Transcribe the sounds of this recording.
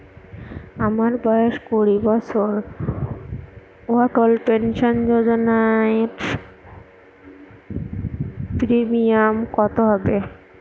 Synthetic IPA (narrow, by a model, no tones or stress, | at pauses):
amaɾbɔeʃkoɾibɔt͡ɕʰoɾ | oat̪olpenʃond͡ʑod͡ʑonaeɾ | pɾimiamkɔt̪oɦɔbe